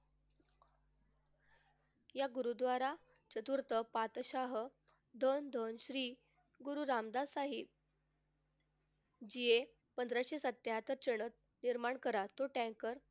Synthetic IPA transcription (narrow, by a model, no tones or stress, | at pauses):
jaɡuɾud̪ʋaɾa | t͡ɕət̪uɾt̪əpat̪ɕaɦ | d̪ʱənd̪ʱənɕɾiː | ɡuɾuɾamd̪asaɦib | d͡ʑie | pənd̪ɾaɕesət̪ːjɦat̪əɾt͡ɕəɳ̃ət̪̚ | niɾmaɳkəɾat̪oʈɛ̃ŋkəɾ